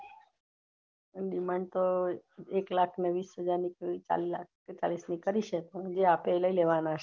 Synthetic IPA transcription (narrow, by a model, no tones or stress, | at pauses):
ɗimãɳɖt̪oeklakʰneʋisɦəd͡ʒaɾnikeit͡ʃa̰lak̚ket͡ʃalisnikəɾiʃepə̃d͡ʒeapeləileʋanaʃʰe